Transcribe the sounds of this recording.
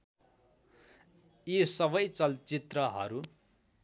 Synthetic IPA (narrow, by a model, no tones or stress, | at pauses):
jisʌbʌjt͡sʌlt͡sit̪rʌɦʌ̰ɾu